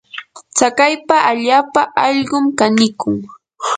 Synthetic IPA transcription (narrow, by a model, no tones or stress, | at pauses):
t͡sakajpaʔaʎaːpaʔɑʎɢʊmkanɪkʊŋ